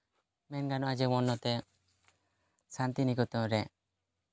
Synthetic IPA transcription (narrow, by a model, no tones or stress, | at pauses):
mɛnɡanɔad͡ʒɛmɔnːɔt̪ɛ | sant̪inikut̪ɔmɾɛ